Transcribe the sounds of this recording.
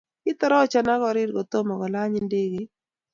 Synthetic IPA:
ɪ˦t̪ɔ˦ɾɔ˦t͡ʃa˨na˦ɡɔ˨ɾɪ˦ɾɡɔ˨t̪o˦mɔ˨ɡɔ˨la˦ɲɪ˦nde˦ɡe˨

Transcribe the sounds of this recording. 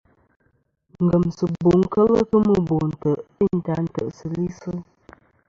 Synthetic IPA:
ŋ˨ɡə˨msə˨bo˨ŋ˦kə˦lə˦kə˦mə˦˨bo˨n̩˨tə˨ʔi˦˨n̩˨ta˨˦n̩˨tə̰˨ʔsə˨li˦sə˦

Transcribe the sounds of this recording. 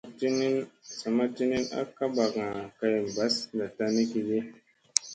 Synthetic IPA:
ti˦ni˦nsa˨ma˦ti˦ni˦na̰˦ka˦ba˨kŋa˨ka˦jm˨ba˨˦sda˨ta˦ni˦ki˨d͡ʒi˦

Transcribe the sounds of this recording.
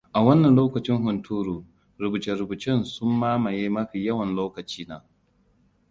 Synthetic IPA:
ʔa˨wɐ˦nːɐ˨nloː˦kɐ˨t͡ʃɪ˦ŋɦʊ˨ntʰuː˦ɾuː˨ | ɾʊ˨bu˨t͡ʃe˨ɾʊ˨bu˨t͡ʃɪ˦nsʊ˦mːaː˦mɐ˨jeː˦mɐ˦ɸiː˨jɐ˦wɐ˨nloː˦kɐ˨t͡ʃiː˦naː˨

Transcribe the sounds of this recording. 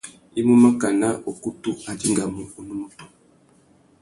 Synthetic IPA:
i˦mu˦ma˦ka˨na˦ʔo˨ku˦tu˦a˨di˦ŋɡa˨mu˦u˨nu˦mu˦tu̥˨

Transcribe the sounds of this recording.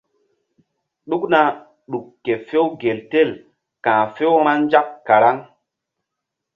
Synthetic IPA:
ɗu˦kna˨ | ɗu˨kːe˨fe˦wɡe˨lte˦˨l | kãː˨fe˦wɾ̃a˦nd͡ʒa˦kːa˨ɾa˦ŋ

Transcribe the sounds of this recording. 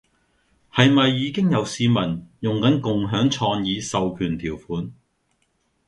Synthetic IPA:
hɐ˨jmɐ˨jːiː˨˧kɪ˥ŋjɐ˨˧wsiː˨˧mɐ˨˩njʊ˨ŋkɐ˨˥nkʊ˨ŋɦœː˨˥ŋt͡ʃʰɔː˧ŋjiː˨˧sɐ˨wkʰyː˨˩nt̪ʰiː˨˩wfuː˨˥n

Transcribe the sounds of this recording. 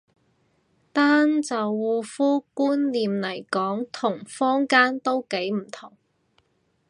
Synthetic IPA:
t̪aː˥nt͡sɐ˨wːuː˨˧fuː˥kuː˥nliː˨mlɐ˨˩jkɔː˨˥ŋt̪ʰʊ˨˩ŋfɔː˥ŋkaː˥nt̪o˥wke˨˥jm̩˨˩t̪ʰʊ˨˩ŋ

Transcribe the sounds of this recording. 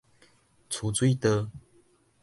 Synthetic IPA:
t͡sʰu˨˥t͡swi˥˦t̪ə˧˦

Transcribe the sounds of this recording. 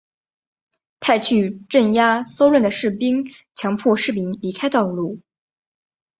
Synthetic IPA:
t̪ʰa˥˧ɪt͡ɕʰy˥˧ʈ͡ʂə˥˩nja˥so˥ʊɻwə˥˩nd̪ə˩ʂɻ̩˥˩pi˥ŋt͡ɕʰjɑ˧˥ŋpʰwɔ˥˧ʂɻ̩˥˩mi˧˥ŋli˧˥kʰa˥ɪt̪ɑ˥˧ʊlu˥˩

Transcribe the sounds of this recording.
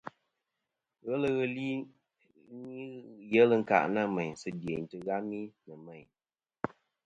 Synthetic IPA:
ɣə˦lə˦ɣə˦li˦ | i˦jɛ˦lɨ˦ŋ̩˦˨ka̰˨ʔna˦˨mɛ˨ɲ˨sɨ˦de˨n˨tɨ˨ɣa˦mi˦nɨ˨mɛ˦˨ɲ

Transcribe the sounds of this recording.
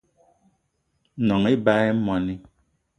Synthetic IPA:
nɔ˨ŋi˦ba˦ɛ˦mɔ˨ni˦

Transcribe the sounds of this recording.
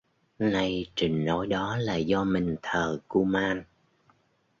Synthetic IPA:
na˧jt͡ɕï˨˩ŋ̟no˨˦jɗɔ˨˦laː˨˩zɔ˧mï˨˩ŋ̟t̪ʰəː˨˩ku˧maː˧n

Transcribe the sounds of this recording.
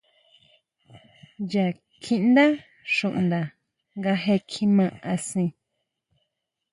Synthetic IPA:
ja˨ | kʰĩ˦ʔnd̪a˦ | ʃũ˨ʔnd̪a˨ | ŋɡa˧ɦe˧kʰĩ˧mã˧a˧sĩ˧

